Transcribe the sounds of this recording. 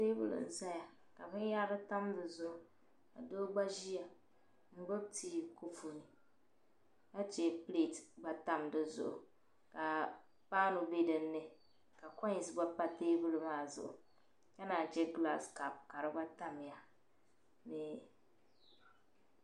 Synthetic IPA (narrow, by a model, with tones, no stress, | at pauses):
teː˦bʊ̰˦lɨ̰˨n̩˨za˦ja˨ | ka˨bɨ˦nja˦ɾɨ˦ta˦mdɨ˨zʊ˦ʔʊ˨ | ka̰˨do˦ɡ͡ba˦ʒi˦ja˨ | ŋ͡m̩˦ɡ͡bɨ˦b̚tiː˦ko˦fo˨nɨ˨ | ka˦t͡ʃɛ˦ple˦˨tba˦ta˦mdɨ˨zʊ̰˦˨ʔʊ̰˨ | ka˨ | paː˦nʊ˨be˦dɨ˨nːɨ˦˨ | ka˨kɔ˦ɲ˨sba˦pa˦teː˦bɨ˦lɨ˨maː˦˨zʊ̰˨ʔʊ˨ | ka˦naː˨t͡ʃɛ˦ɡla˦ska˨p̚ka˨ɾɨ˦ba˦ta˦m˨ja˨ | nɪ˨